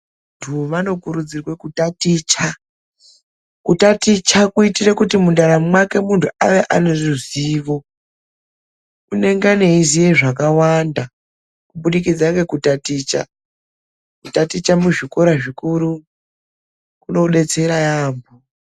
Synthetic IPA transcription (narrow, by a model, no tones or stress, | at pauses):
ntʰumano̞kuɾud͡zirwekutatit͡ʃa | kutatit͡ʃakuitirekutimundaɾamumwake̞muntʰuaʋe̞ʔaneʐiziːʋo̞ | une̞ŋɡane̞izije̞ʐakawanda | kuɓuɗikid͡zake̞kutatiːt͡ʃa̰ | kutatit͡ʃamuʐiko̞ɾaʐikuɾu | kuno̞ɗe̞t͡se̞ɾajaːmbo